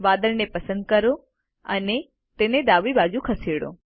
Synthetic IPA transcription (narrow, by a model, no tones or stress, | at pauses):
ʋad̪əɭnepəsənd̪̚kəɾo | ə̰ne | t̪ened̪aʋibad͡ʒũkʰəseɽõ̰